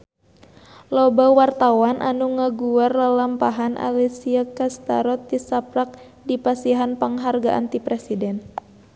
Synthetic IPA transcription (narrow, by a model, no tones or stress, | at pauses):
lɔbawart̪awanʔanuŋaɡuarlalampaɦanʔa̰lisiakast̪a̰ɾɔt̪̚ːisapɾak̚ | dipasiɦanpəŋɦarɡaʔa̰nt̪ipɾɛsidɛn